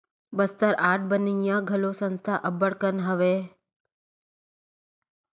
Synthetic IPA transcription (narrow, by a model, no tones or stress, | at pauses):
bəst̪əɾaːʈ̚ʰbənijãɡʱəlosə̃nst̪ʰaʔəbəɽkənɦəʋeː